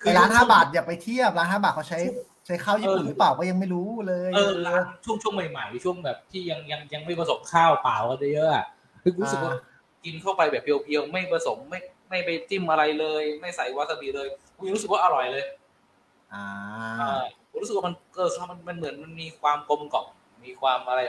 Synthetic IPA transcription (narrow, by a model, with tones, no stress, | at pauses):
kʰɯː˧ɾaː˦˥nhaː˥˩baː˨˩t̪̚jaː˨˩pa˧jt̪ʰi˥˩əp̚laː˦˥nhaː˥˩baː˨˩t̪̚kʰːt͡ɕʰa˦˥j | t͡ɕʰa˦˥jkʰaː˥˩wjiː˥˨˩paː˨˩wkaː˥˩ja˧ŋma˥˩jɾuː˦˥lɤː˧jɤː˧laː˦nt͡ɕʰu˥˩əŋt͡ɕʰu˥˩əŋma˨˩jma˨˩˦jt͡ɕʰu˥˩əŋbɛː˨˩p̚t̪ʰiː˥˩ja˧ŋja˧ŋja˧ŋma˥˩jpɾa˧so˩˦mkʰaː˥˩wpaː˨˩wka˧nt͡ɕaː˦˥˩jɤ˦˥ʔa̰˨˩ʔ | ɾuː˦sɯ˨˧˩k̚wa˥˩ | ki˧nt̪ʰa˥˩pa˧jbɛː˨˩p̚ːi˧wpʰi˧ə˧wma˥˩jpɾa˧so˩˦mːa˥˩jma˥˩jpa˧jt̪i˥˩mʔa˧ɾa˧jlɤː˧jma˥˩jsa˨˩˦jwa˦˥t̪̚sa˧bi˨˩lɤː˧jʰi˧ɾu˦˥sk̚waː˥ʔa˧ɾɔ˨˩jlɤː˧j | ʔaː˩a˥˩u˨˩˦ɾu˦˥˨kwa˥˩ma˧nʔɤː˧stʰa˥˩ma˧nma˧nmɯ˨˩˦ənma˧nmiː˧kʰwaː˧mko˧mkɔ˨˩p̚ | miː˧kʰwaː˧mʔa˧ɾa˧j